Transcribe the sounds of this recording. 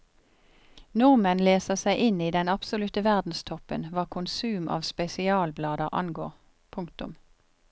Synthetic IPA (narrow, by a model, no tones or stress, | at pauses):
nʊʁmənleːsəʁsæɪʔɪniːd̪ɛnɑpsʊlʉt̪əʋæʁd̪n̩st̪ʰɔpə̰nʋɑːʁkʰʊnsʉːmɑ̰ːʋspɛsɪɑːlblɑːd̪əʔɑ̰nɡoːʁ | pʰʊŋkt̪ʊ̰m